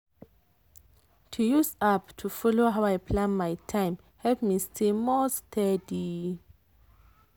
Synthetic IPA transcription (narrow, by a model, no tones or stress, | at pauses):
tʰujusaptʰufɔloɦawajpʰlãnmajtʰãjm | hɛlpmistʰemɔstʰɛdi